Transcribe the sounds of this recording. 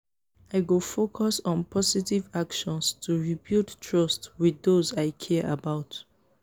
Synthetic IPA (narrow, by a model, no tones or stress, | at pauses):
aɪɡofokʰɔsɔ̃npʰɔsitivakʃɔ̃nstʰuɹibilttʰɹɔstwiðozaɪkʰɛʔə̰baʊt